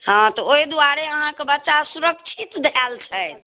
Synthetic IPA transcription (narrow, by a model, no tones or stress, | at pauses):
ɦãt̪ɔoid̪uaɾeəɦãkebətːʃasuɾəkt͡ʃʰit̪d̪ʱɛlt͡ʃʰəj̪